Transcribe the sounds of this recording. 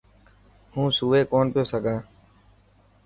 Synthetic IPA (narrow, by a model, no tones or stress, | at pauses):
hũːsuːeːkoːnpɪjoːsəɡʱãː